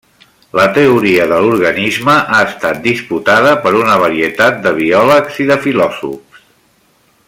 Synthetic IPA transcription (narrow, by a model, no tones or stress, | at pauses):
lət̪əuɾiəðəluɾɣənizməʔaəst̪at̪̚d̪isput̪aðəpəɾunəβ̞əɾiət̪at̪̚d̪əβ̞iɔləkz̥iðəfilɔzṵps